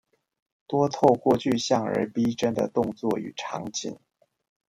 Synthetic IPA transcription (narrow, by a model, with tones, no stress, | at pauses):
t̪wɔ˥t̪ʰo˥˧ʊkwɔ˥˧t͡ɕʰy˥˧ɕjɑ˥˩ŋə̰˧˥pi˥ʈ͡ʂə˥nd̪ə̰˨t̪ʊ˥˧ŋt͡swɔ˥˩y̰˨˩ʈ͡ʂʰɑ̰˧˥ŋt͡ɕʰḭ˧˥˦n